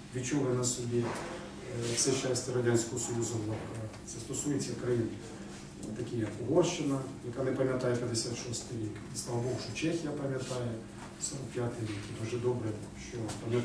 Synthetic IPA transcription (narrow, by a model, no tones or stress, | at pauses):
ʋʲit͡ʃɔlˠɪnɐsʊbʲi | fsɛt͡ʃːasʲtʲɐɾɐdʲanʲsʲkɔɦɔsɔjuzʊblˠɐka | sɛst̪ɔsujet͡sʲɐkɾɐjin | t̪ɐkʲijɐkʊɦɔrʃɪnɐjɐkanɛpɐmʲjɐt̪ajɛpʲjɐd̪esʲat̪ʃɔst̪ɪjʋʲikisk̪alˠbɔwʂɔt͡ʃɛxʲɪjɐpɐmʲjɐt̪ajɛ | sɔɾɐkpʲjat̪ɪjʋʲikɛt̪ɐʒɛd̪ɔbɾɛ | ʃt͡ʃɔpɐmʲjɐ